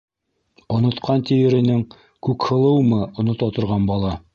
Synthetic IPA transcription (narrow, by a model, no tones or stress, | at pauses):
ŏnŏt̪qʰɑnt̪ʲijɘ̆ɾɘ̆nɘŋ | kʉkhɤ̆lˠɤwmɤŏnŏt̪ɑt̪ŏɾʁɑnbɑlˠɑ